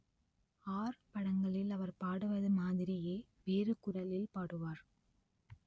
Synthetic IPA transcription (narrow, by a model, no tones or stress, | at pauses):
aːɾpɐɽɐŋɡɐɭɪlɐʋɐɾpaːɽɯʋɐðɯmaːðɪɾɪjeː | ʋeːrɯkʊɾɐlɪlpaːɽɯʋaːɾ